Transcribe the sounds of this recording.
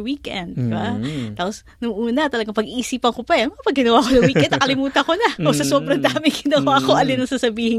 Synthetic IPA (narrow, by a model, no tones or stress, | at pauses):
wiːkʔɛ̰nd̪̚baaːpos | nʊŋʔuːnɐt̪ɐlɐɡaŋpɐɡʔiʔisiːpɐŋkopɐnmɐapɐɡɡɪnɐwaːkonɐŋwiːʔɛd̪ɐkɐlɪmuːt̪ɐkonɐʔosɐsoːbɾɐŋd̪aːmɪŋɡɪnɐwaːko̞ʔɐlɪnɐŋsasɐbiːhɪŋ